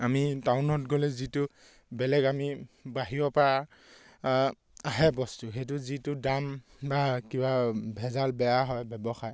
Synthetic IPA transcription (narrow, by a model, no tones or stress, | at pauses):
amitawnɔtɡɔlɛzitʊ | bɛlɛɡamibaɦijɔpaɹa | aɦɛbɔstuxejt̬ʊzitʊdam | bakibabʱɛzalbɛjaɦɔjbɛbɔxaj